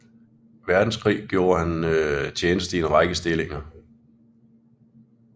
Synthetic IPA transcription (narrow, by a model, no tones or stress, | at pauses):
ʋæɐd̥n̩skʰʁḭːɡ̥jo̝ːɐhænt͡ɕʰeːnəsd̥əienʁɑ̈ɪɡ̥əsd̥e̝le̝ŋɐ